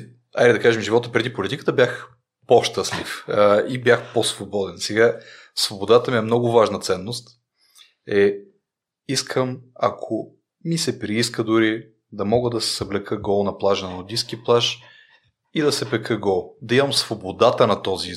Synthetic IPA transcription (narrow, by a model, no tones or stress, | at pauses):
a̰jd̪ɛd̪ɐkaʒɛmʒivɔt̪əpɾɛd̪ipolit̪ikət̪əbjax | poʃt̪əslifibjaxposvobɔd̪ɛnsɛɡa | svobod̪at̪əmiɛmnɔɡʊvaʒnət̪sɛnːost̪ | ɛ | iskʰəmɐ̰kʰo | misɛpɾiis̬kəd̪ʊɾi | d̪ɐmɔɡəd̪ɐsɛ̥zɐblɛkʰəɡɔlˠnɐplˠaʒənɐnod̪isk̟iplˠaʃ | id̪ɐsɛpɛkʰəɡɔlˠd̪ɐimɐmsvobod̪at̪ənɐt̪ɔzi